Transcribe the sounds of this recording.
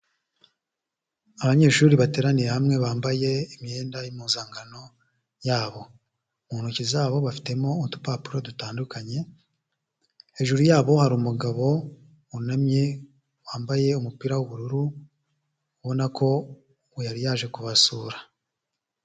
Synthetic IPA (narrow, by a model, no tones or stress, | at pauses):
aβaɲe̞ːʃuɾiβate̞ːɾaniɾehamŋe̞βaːmbaje̞imɲe̞ːndajimuːzaːŋɡano̞ | jaːβo̞ | muːnucizaːβo̞βafi̥te̞mo̞intu̥papuɾodutaːndukaɲe̞ | eʒuɾujaːβo̞haɾuːmuɡaβo̞ | unamje̞ | waːmbaje̞umupiːɾawuβuɾuɾu | uβo̞nako̞ | ujaɾijaːʒe̞kuβasuːɾḁ